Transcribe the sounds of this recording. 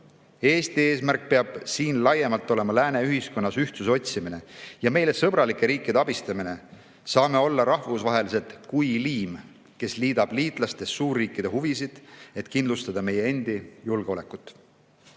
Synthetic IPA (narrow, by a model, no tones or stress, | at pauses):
e̞ːst̪ie̞ːsmærk̚peɑb̥siːnlɑje̞mɑlt̪ːˑo̞le̞mɑlæːne̞yɦisko̞nːɑsyht̪sus̬eo̞t̪ʲsimine̞jɑme̞jle̞sɤb̥ɾɑlikːˑe̞ɾiːkːˑid̪̥eɑb̥ist̪ɑmine̞ | sɑːme̞o̞lːɑɾɑhvusvɑɦe̞lis̬e̞t̪kujliːm | ke̞sliːd̪ɑb̥liːt̪ˑlɑst̪e̞ssuːrːiːkːˑid̪̥e̞huvisid̪̥e̞t̪kind̪lust̪ɑd̪̥ɑme̞je̞e̞nd̪̥ijulɡ̥eo̞le̞kːˑut̪ːˑ